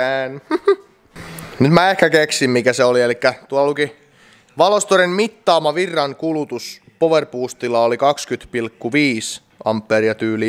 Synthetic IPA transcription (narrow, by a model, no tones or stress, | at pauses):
æːn | nyt̪mæehkækeksimmikæseolielikːæt̪uɑlluki | ʋɑlost̪oɾenmit̪ːɑːmɑʋirːɑnkulut̪us | poʋerpuːst̪ilːˑɑolikɑkskyt̪pilkːuʋiːs | ɑ̰mpːeːriɑt̪yːli